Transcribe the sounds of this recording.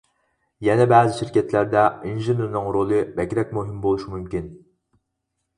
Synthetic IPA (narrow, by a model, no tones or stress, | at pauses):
jɛnɛbæːzɪʃiɾkʲɛt̪læɾd̪ɛinʒɪneɾnɨŋɾolˠɨbɛkʲɾɛk̚ʲmuɦɪmbolˠuʃimumkʲin